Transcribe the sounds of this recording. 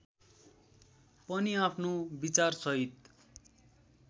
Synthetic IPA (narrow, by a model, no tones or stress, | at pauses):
pʌniapʰnobit͡sarsʌɦit̪